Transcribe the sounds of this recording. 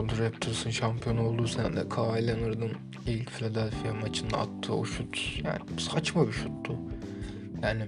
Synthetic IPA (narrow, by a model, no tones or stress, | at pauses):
od̪uɾɛp̚t̪ʰɯɾsɯnʃampʰijo̞no̞lˠd̪usannd̪ɛkʰaajlˠanɯɾd̪ɯm | ilʲcfilʲad̪ɛlʲfijamat͡ʃʰɯnd̪a̰ːt̪ʰːɯ̰ːuʃut̪ja̰ːnɪsat͡ʃmabiʃut̪ːu | jaːnɪ